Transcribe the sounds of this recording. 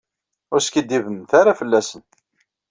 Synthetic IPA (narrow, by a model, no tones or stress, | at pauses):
ʊɾskid̪ːivənθaɾafəlːæsən